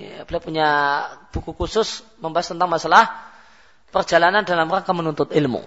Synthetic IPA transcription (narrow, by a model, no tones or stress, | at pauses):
bolapuɲab̥ukukusʊs | məmbaast̪ənt̪aŋmasalah | pərd͡ʒalanandalamraŋkamənunt̪ʊt̪ɪlmṵ